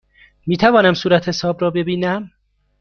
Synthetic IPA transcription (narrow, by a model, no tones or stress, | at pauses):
miːt̪ʰævɒːnæmsuːɾæt̪hesɒːbrɒːbe̞biːnæm